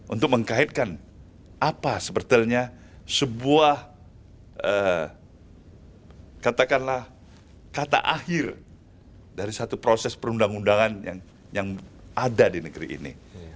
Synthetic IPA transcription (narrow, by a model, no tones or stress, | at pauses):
ʔṵnt̪ʊk̚məŋkaɪt̪̚kan | apasəpərt̪iəlɲa | səbuah | ʔə | kat̪akanlah | kat̪a̰ʔahɪr | daɾisat̪upɾosɛspəɾundaŋundaŋanjaŋ | jaŋadadinəɡəɾḭʔḭnḭ